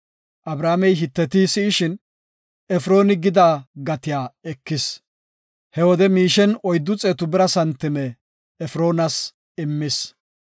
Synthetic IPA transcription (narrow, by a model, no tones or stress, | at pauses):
ʔɐbɾaːmɛjɦɪt̪ːɛt̪isɪːʃɪn | ɛfɾo̞ːnɪɡɪd̪aːɡɐt̪ɪjaːɛkːɪs | hɛwɔd̪ɛmiːʃɛnɔjd̪ːʊt͡sʼeːt̪ʊbɪɾɐsɐnt̪ːɪmɛː | fɾo̞ːnɐs | ɪmːɪs